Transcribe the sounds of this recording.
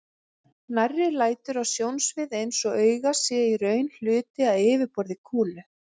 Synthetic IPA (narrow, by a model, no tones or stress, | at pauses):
narːɪlaːjt̪ʏɾawsjownsvɪðejnsɔœːɥɣasɛiɾœɥnl̥ʏːt̪ɪaðɪːvɪɾpɔɾðɪkʰuːlʏ